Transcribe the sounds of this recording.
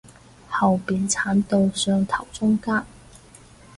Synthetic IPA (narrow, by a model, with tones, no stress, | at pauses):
hɐ˨wpiː˨˩nt͡sʰaː˨˥nt̪o˨˧wsœː˧ŋt̪ʰɐ˨˩wt͡sʊ˥ŋkaː˥n